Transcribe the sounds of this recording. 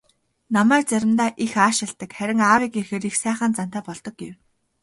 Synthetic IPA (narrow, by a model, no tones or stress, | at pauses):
namæːrt͡sæɾʲɪ̆mt̪aːʔixaːʃɪ̆ɬt̪ə̆kχæɾʲɪ̆ŋaːwiːkixeːɾixsæːχaːnt͡san̥t̪aːpɔɮt̪ɞ̆k̚ɡew